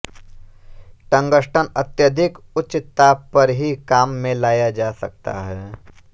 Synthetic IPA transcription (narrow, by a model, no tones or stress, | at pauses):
ʈə̃ŋɡəʃʈʰənɐt̪jəd̪ʱɪkʊtːʃɪt̪apɐɾɦikaːmːẽlaːjad͡ʒaːsɐk̚t̪a̰ɦɛː